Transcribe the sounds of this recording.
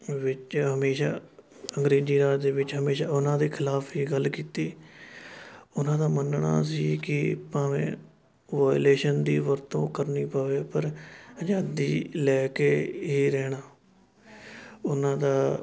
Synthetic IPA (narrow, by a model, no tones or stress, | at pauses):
ʋɪt͡ʃɦəmeːʃaː | əŋɡɾeːd͡ʒiːɾaːd̪eːʋɪt͡ʃɦəmeːʃaːʊnãːd̪eːkʰɪlaːpʰɦiːɡəlkiːt̪iː | ʊnãːd̪aːmənɳa̰ːs̬iːkɪpãːʋḛ̃ː | ʋaːleːʃənd̪iːʋəɾt̪õːkəɾniːpəʋeːpəɾəd͡ʒaːd̪iːlɛːkeːɦiːɾɛːɽ̃aː | ʊnãːd̪aː